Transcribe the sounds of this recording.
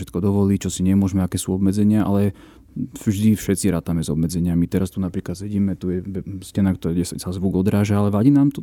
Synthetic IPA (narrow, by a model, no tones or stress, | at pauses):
ʃɛt̪kɔd̪ɔʋɔliːt͡ʃɔsiɲɛmʊɔʒmɛakɛːsuɔbmɛd͡zɛɲɪaʔa̰lɛ | ʒd̪ifʃɛt̪t͡siɾaːt̪amɛzɔbmɛd͡zɛɲɪamit̪ɛɾast̪unapɾiːklat̪sɛɟiːmɛt̪ujɛʋɛscɛnakt̪ɔɛsasazʋuɡɔd̪ɾaːʒaalɛʋaɟinaːmt̪ɔ